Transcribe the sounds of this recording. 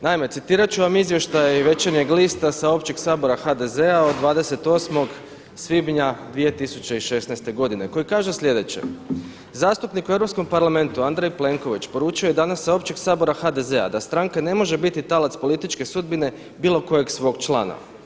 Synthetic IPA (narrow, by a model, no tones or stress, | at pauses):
naime̞t̪sit̪iːɾat͡ʃuʋamizjeʃt̪ajʋe̞t͡ʃeɾɲe̞ɡliːst̪asao̞pt͡ʃeɡsaːbo̞ɾaxad̪e̞zeaod̪d̪ːʋaːd̪ese̞t̪o̞smo̞ɡ | sʋibɲad̪ʋije̞t̪isut͡ɕe̞iʃe̞snajst̪e̞ɡo̞d̪ine̞ko̞jikaːʒesʎʲe̞d̪e̞t͡ɕḛ | zaːst̪upnikue̞vɾopsko̞mpaɾlˠame̞nt̪uand̪ɾejple̞ŋko̞ʋit͡ʃpo̞ɾuːt͡ʃio̞jed̪anasːao̞pt͡ʃeɡsaːbo̞ɾaxad̪e̞ze̞a̰d̪ast̪ɾaŋkane̞mo̞ʒe̞bit̪it̪alat̪spo̞lit̪it͡ʃke̞sud̪bine̞ | biːlˠo̞ko̞je̞ɡsʋo̞ːɡt͡ʃlˠa̰ːno̰